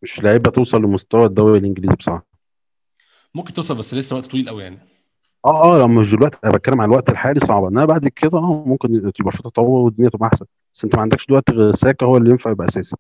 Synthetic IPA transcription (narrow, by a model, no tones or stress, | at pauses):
meʃlaʕebæt̪ewsˤɑlːemost̪æwæd̪ːæwilʔenɡeliːzibesˤɑ̰ʕ | momkent̪ewsˤɑlbæsːlesːælæʔt̪t̪ɑwiːlʔæwjaʕni | ʔæːʔæːlæmeʃ̬d̪elwæʔt̪ʔæbæt̪̚kælːemʕanælwæʔt̪elħaːlisˤɑʕbɑʔenːʔænæbaʕd̪kʰed̪æʔæːmomkent̪ebʔæfit̪ˤɑt̪ˤːɑwɑːwed̪ːinejæt̪ebʔaħsænbæsːʔent̪æmæʕand̪ækʃd̪ewæʔt̪ɣæsæːkæhowːælːijenfaʕjebʔæʔæsæːsi̥